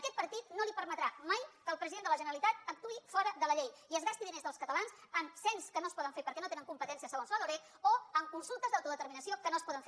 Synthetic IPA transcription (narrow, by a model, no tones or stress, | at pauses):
əkɛt̪̚pəɾt̪it̪̚nolipəɾmət̪ɾamajkəlˠpɾəziðend̪ələʒənəɾəlit̪at̪ək̚t̪uifɔɾəðələʎejiəzɣast̪iðinezðəlˠskət̪əlansənsɛnskənoəspɔðəɱfeɾpəɾkɛnot̪enəŋkumpət̪ɛnsiəsəonzəðoɾe | oəŋkunsulˠt̪əzðawt̪uðət̪əɾminəsiokənoəspɔðəɱfe